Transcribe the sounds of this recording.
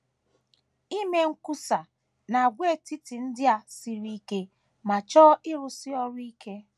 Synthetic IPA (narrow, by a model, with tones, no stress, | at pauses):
i˦me˦ŋ̩˦ku˦sa˨ | na˨ɡʷe˦˨ti˦ti˨n̩˦dɪ˦a˨si˦ɾi˦ke˦ | ma˨t͡ʃɔ˦ʔɪ˦ɾʊ˨sɪ˦ɔ˦ɾʊ˦i˦ke˦